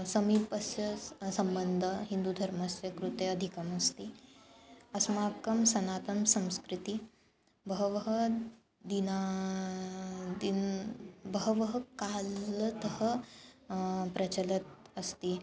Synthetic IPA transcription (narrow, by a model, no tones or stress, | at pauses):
səmiːpəsjəsɐmbənd̪ʱəɦind̪ud̪ʱɐɾməsjɐkɾut̪eɐd̪ʱikəmɐst̪i | ɐsmakɐmsɐnat̪ɐmsɐ̃w̃skɾit̪i | bəɦʋɦə | d̪ina | d̪i | bəɦʋəɦəkalt̪əɦə | pɾɐt͡ɕələt̪̚əst̪iː